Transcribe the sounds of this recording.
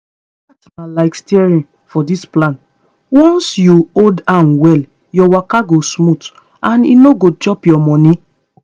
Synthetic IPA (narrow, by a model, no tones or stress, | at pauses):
atmalaɪkstiɛɹĩn | fɔdisplãn | wɔ̃nsjuoldãnwɛl | jɔwakaɡosmut | ãnḭnoɡod͡ʒɔpjɔmɔ̃nĩ